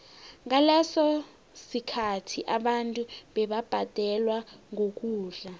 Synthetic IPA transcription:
ŋ̬alɛsɔ | sikʰatʰiʔaɓantʼuɓɛɓab̥ʱad̥ʱɛlwaŋok̬ʼuːɮa

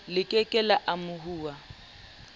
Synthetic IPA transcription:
lɪkʼɛkʼɛlaʔamʊhuːwa

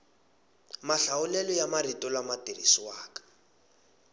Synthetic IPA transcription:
maɬaʊlɛlɔjamaritɔlamatirisiwaːkḁ

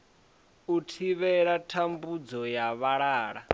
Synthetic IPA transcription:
utʰiβɛɺatʰambud͡zɔjaβaɺaːɺa

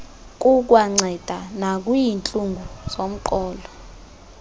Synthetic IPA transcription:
k̬ʼuk̬ʼwaŋ͡ǀʱɛd̥ʱanak̬ʼujint͡ɬʼuŋɡʱuzom̩ǃɔːlɔ

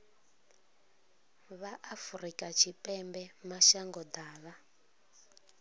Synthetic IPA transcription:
βaʔafurikʼat͡ʃʰipʼɛmbɛmaʃaŋɡɔd̪aːβa

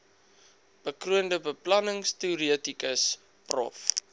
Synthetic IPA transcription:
b̥əkruəndəbəplɐnəŋstiuɾiətikəs | prɔ̰f

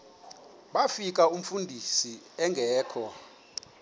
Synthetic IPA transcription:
ɓafik̬ʼaum̩fundʱisi | ɛŋɡʱɛːkʰɔ

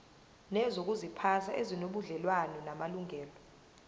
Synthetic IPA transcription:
nɛzok̬uzipʰasaʔezinoɓuɮɛlwanɔnamaluŋʱɛːlɔ

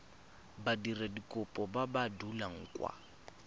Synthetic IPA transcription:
badiradikʼʊpʼɔbabadulaŋ̩kʼwa̰

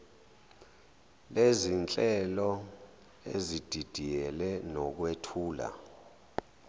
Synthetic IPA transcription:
lezint͡ɬʼɛlɔ | ezid̥ʱid̥ʱijɛlɛnɔk̬wetʰuːla̰

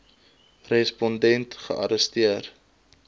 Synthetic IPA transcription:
rɛspɔndɛntχə̰ʔɐ̰ɾəstiər

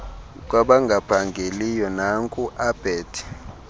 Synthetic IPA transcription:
k̬waɓaŋɡʱapʰaŋɡʱelijɔnaŋkʼuʔab̥ʱɛːtʰi̥

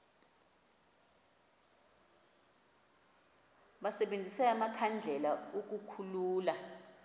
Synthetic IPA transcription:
ɓasɛɓend͡zʱisɛamakʰand͡ɮʱɛlaok̬ukʰuluːla

